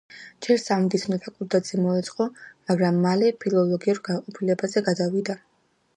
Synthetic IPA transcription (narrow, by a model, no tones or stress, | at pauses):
d͡ʒɛɾsamd̪it̪sʰmnɛt̪ʰakʼuɾd̪ad̪zʰʼimɔɛt̪sʼqʼɔmaɡɾamːalɛpʰilˠɔlˠɔɡiuɾɡaqʼɔpʰilɛbazɛɡad̪avid̪a